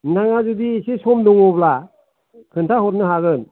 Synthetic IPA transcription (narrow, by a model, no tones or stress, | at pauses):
naŋazudiːsisɔmdɔŋɔbla | kʰɯntʰahɔtnɯɦaɡɯn